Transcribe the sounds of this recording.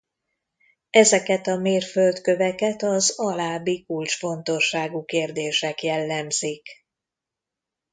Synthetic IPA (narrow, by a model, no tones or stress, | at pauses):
ɛzɛkɛt̪ɒmeːrfølt̪kø̞vɛkɛt̪ɒzɒlaːbikult͡ʃfo̞nt̪o̞ʃːaːɡukeːrd̪eːʃɛkjɛlːɛmz̥ik